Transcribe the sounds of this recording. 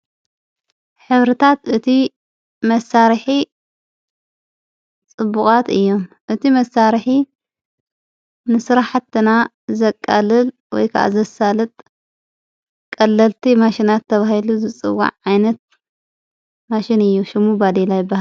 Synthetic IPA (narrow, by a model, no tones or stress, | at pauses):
ħɨβɾɨt̪ʰat̪ʔɨt̪ʰi | mɐsːaɾħi | t͡sʼɨbːukʼat̪ɨjːo̞mʔɨt̪ʰimɐsaɾħi | nɨsɨɾaħat̪ːɨna | zɐkʼːa̰lɨl | wɔ̰jkʰaʔa̰zɐsːalɨt̪ʼ | kʼɐlːɐlt̪ʰimaʃinat̪ʰːɐβahiluzɨt͡sʼɨ̰wːa̰ʕʕajnɐt̪̚ | maʃɪnɨjːuʃɪmːubad̪elajɪbːahal